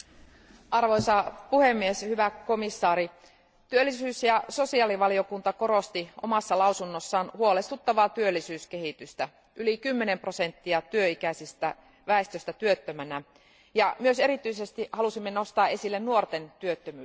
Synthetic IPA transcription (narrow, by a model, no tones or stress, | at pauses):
ʔɑrʋo̞jsɑpuhe̞mːieshyʋæko̞misːɑːɾi | t̪yølːisyːsjɑso̞siɑliʋɑlio̞kunt̪ɑko̞ɾost̪iʔo̞̰mɑsːɑlɑusunːosːɑːnhuole̞st̪ut̪ːɑʋɑːt̪yølːisyːske̞hit̪yst̪æ | ʔylikymːene̞mprose̞nt̪ːiɑt̪yøikæsist̪æ | ʋæest̪øsʲt̪æt̪yøt̪ːømænæ | jɑmyøse̞ɾit̪yise̞st̪ihɑlusimːeno̞st̪ɑːesilːennuort̪e̞nt̪yøt̪ːømyː